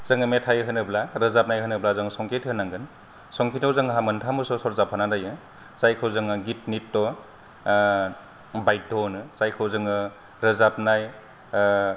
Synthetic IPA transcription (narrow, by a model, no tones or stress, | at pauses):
z̥ɯŋɯmetʰajɦɯnɯblaɾɯzap̚najɦɯnɯblazɯŋsɔŋkʰethɯnːaŋɡɯn | sɔŋkʰitawzɯŋɦamɯntʰamɯsɔsɔɾzapʰanadajɯ | zajkʰɯwzɯŋɯɡit̚nitːɔ | bajdɔnɯzajkʰɯwzɯŋɯ | ɾɯzap̚naj